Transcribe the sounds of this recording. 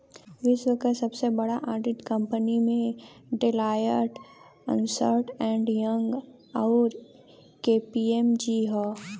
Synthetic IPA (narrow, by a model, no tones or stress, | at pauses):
ʋɪswəkʰət̪sɐbsebɐɽaʔaːɾɖɪʈkə̃mpənimẽɖɪlaːjəɾʈ | ə̰̃nsəɾʈɛ̃ːɳɖjəŋɡ | aʊɾ | keːpiemd͡ʒiɦɔː